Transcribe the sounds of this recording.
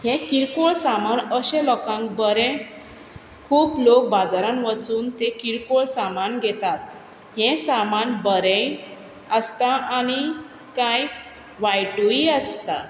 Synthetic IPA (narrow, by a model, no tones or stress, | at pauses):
hẽkiɾkoɭsamanəɕɛ̃lɔkãŋkbəɾɛ̃ | kʰuːplok̚bad͡zaɾãnʋət͡suːnt̪ekiɾkoɭsamanɡʱet̪at̪̚ | hẽsamanbəɾɛ̃ | əst̪aaɽ̃i | kaj | ʋajʈuiəst̪a̰